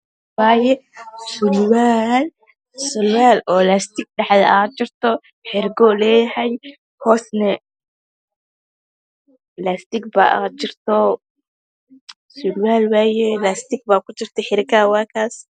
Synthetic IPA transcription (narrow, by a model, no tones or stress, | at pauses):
waːjɛsʊlwaːl | sʊlwaːlɔːlast̪ɪɡ̚ɖɐħðɐʔaːt͡ʃɪrt̪ʰɔ | ħɪɾɡɔlɛːjhɛj | hɔːsnɛ | last̪ɪɡ̚ba̰ːʔa̰ːt͡ʃɪrt̪ʰɔ | sʊlwaːlwaːjɛlast̪ɪɡ̚baːkʊt͡ʃɪrt̪ʰɛħɪɾɡaːwaːkʰaːs